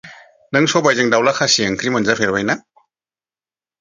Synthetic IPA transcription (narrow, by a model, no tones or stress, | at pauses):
nɯŋsɔbajzɯŋdawlakʰasiaŋkʰɾimɯnzapʰeɾbajna